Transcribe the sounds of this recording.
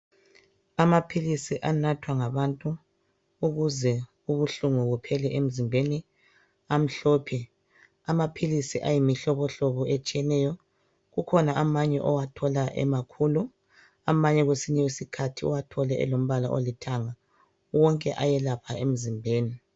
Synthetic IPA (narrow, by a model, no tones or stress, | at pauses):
amapʰilisiʔanatʰwaŋaβantʼu | uɣuzɛ | uβuɬuŋuɣupʰɛlɛʔem̩zimbʱeni | am̩ɬɔːpʰɛ | amapʰilisiʔajimiɬɔβɔɬɔβɔet͡ʃʼijɛnɛjɔ | ɣukʰɔnaʔamaɲɛʔɔwatʰɔlaʔɛ̰makʰulu | amaɲɛɣwesiɲɛwesikʰatʰiɔ̰watʰɔlɛʔɛ̰lom̩βala̰ʔo̰litʰaŋa | wɔŋkʼɛʔajɛlapʰaem̩zimbʱeːni